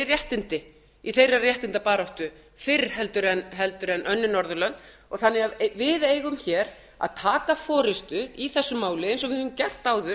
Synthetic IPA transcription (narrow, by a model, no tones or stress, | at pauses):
ɪrjɛht̪ɪnt̪ɪ | iθejrarjɛht̪ɪnt̪apaːɾɔht̪ʏ | fɪrɦɛlt̪ʏɾɛnɦɛlt̪ʏɾɛnœnːɪnɔɾðʏlœnt̪ | ɔɣθanːɪɣavɪðeːjɣʏmçɛːɾ | a̰ðt̪ʰaːkafɔːɾɪst̪ʏiθɛsːʏmːaːwlɪɛɪnsɔɣvɪhɛvʏmcɛr̥t̪aːwðʏ